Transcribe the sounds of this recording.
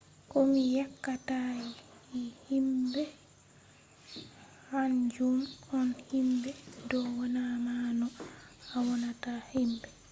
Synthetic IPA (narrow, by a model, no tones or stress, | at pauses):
kɔmijakːatajihimbɛ | hand͡ʒumɔnhimbɛdɔwɔnamanɔawɔnatahimbɛ